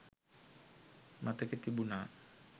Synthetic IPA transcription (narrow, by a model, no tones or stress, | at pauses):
mʔat̪ekit̪ibuna